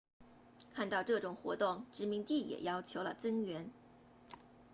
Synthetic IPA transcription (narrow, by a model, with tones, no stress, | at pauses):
kʰa˥˧nt̪ɑ˥˧ʊʈ͡ʂɤ˥˩ʈ͡ʂʊ˨˩ŋxwɔ̰˧˥t̪ʊ˥˩ŋʈ͡ʂɻ̩˧˥mi˧˥ŋt̪i˥˩jɛ̰˨˩jɑ˥ʊt͡ɕʰjo˧˥ʊlə̰˧˨t͡sɤ˥ŋɥɛ˧˥n